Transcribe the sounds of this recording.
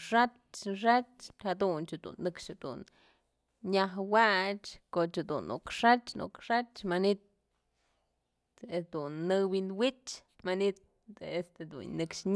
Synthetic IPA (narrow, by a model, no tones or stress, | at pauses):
ʂat͡ʃʂ̬at͡ʃhad̪unt͡ʃad̪ṵnːɨkʂhad̪̥ṵn | ɲaɦwat͡ʃkot͡ʃad̪ṵnṵkʂat͡ʃnṵkʂat͡ʃmanit̪ | ed̪unːɨwinwit͡ʃ | manit̪̚ | est̪ed̪ṵnnɨkʂɲ